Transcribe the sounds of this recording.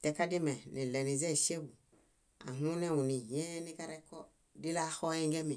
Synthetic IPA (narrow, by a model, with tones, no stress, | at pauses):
te˨ka˦di˦me˨ni˨le˨ni˨ze˦˨ʃe˦bu˨ | a̰˨ɦu˦ne˦u˨ni˨je˦ni˦ka˦ɾe˦kːo˦ | di˦la˦xo˦ẽ˦ŋɡe˦mi˨